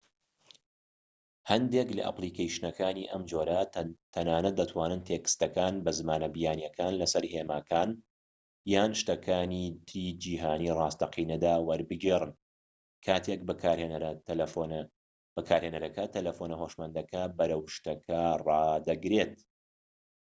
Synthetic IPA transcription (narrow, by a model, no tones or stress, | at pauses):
hɐnd̪eklɐ̰ʔɐ̰pliːkejʃnɐkʰaːniːʔɐmd͡ʒoːɾɐt̪ʰɐnaːnɐt̪̚d̪ɐt̪ʰwaːnɨnt̪ʰeːkɨ̥st̪ɐkaːnbɐzɨmaːnɐbijaːnjɐkʰaːnlɐsɐɾheːmaːkʰaːn | jaːnʃt̪ɐkʰaːniːt̪ʰiːd͡ʒiːɦaːniːrɑːst̪ɐqiːnɐd̪aːwɐɾbɨɡeːrɨn | kʰaːt̪ʰek̚bɨkaːɾhenɾɐ | b̥ɨkʰaːɾheːnɐɾɐkɐt̪ʰɐlɐfoːnɐhoːʃmɐnd̪ɐkʰɐbɐɾɐwʃt̪ɐkʰɐrˤɑːd̪ɐɡɾeːt̪